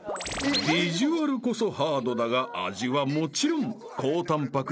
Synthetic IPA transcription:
bʲiʑiβaɾɯ̟ko̞so̞haːd̪o̞d̪aɡaʔa̰ʑiβamo̞t͡ɕiɾõ̞ŋ | kʰo̞ːt̪ãmpakɯ

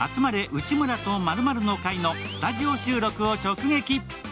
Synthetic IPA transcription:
a̰t͡sɨmaɾe̞ʔɯ̟t͡ɕimɯ̟ɾat̪o̞maɾɯ̟maɾɯ̟no̞kaino̞st̪aʑio̞ɕɨːɾo̞kɯ̟o̞t͡ɕo̞kɯ̟ɡe̞kʲi

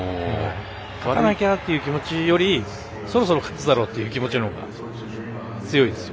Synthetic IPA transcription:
kʰaβaanakʲat̪ːe̞jɯ̟kʲimo̞t͡ɕijo̞ɾʲi | so̞ɾo̞s̬o̞ɾo̞kʰḁt͡sɨd̪aɾo̞ːt̪ːe̞jɯ̟ːkʲimo̞t͡ɕinooɡa̰ | t͡sɨjo̞id̪e̞sɨ̥jo

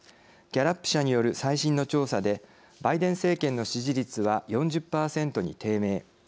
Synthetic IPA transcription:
ɡ̥ʲaɾapːɯ̟̥ɕaɲ̟ijo̞ɾɯ̟saiɕĩnːo̞t͡ɕo̞ːsad̪e̞ | baid̪ẽ̞ɰ̃se̞ːkẽ̞nːo̞ɕiʑiɾʲit͡sɨβajõ̞ɲ̟d͡ʑɨpːaːsẽ̞nt̪o̞ɲ̟ḭt̪e̞ːme̞ː

